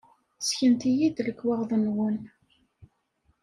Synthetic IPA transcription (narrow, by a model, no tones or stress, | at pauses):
sçənt̪ijid̪ləkːwɑʁðˤənwən